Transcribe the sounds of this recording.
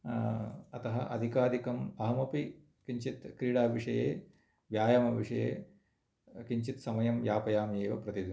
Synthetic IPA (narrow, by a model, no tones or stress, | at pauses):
ɐt̪ɐɦɐʔɐd̪ʱikaːd̪ikɐmɐɦɐmɐpi | kiɲt͡ʃit̪kɾiːɽaːʋiʂɐjeː | ʋjaːjɐmɐʋiʂɐjḛː | kiɲt͡ʃit̪sɐmɐjɐmjaːpɐjaːmjeːʋɐpɾɐt̪id̪u